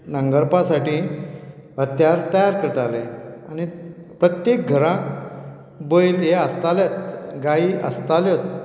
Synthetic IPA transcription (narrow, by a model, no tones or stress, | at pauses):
nəŋɡəɾpasaʈiː | ʋət̪jaɾt̪əjaɾkəɾt̪aleani | pɾət̪jek̚ɡʱəɾãk | boiljeəst̪aljet̪ɡaiə̰st̪aljot̪